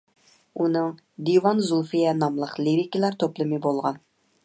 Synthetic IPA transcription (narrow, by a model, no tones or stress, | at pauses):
unɨŋ | d̪iwɑnzulˠfijɛnɑmlˠəqliɾikʲilˠæɾt̪ʰoplˠɨmɨbolˠʁɑn